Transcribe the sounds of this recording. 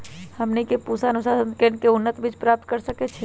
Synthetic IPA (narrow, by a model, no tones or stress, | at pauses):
həmnikepusanusasənkeɳkeunːət̪bʱit͡ʃʰpɾap̚t̪̚kəɾsəkɛt͡ʃʰɛ